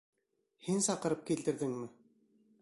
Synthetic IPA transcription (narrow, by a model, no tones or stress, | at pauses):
hɘnsɑqɤ̆ɾɤp̚kilt̪ɘ̆ɾðɘŋmɘ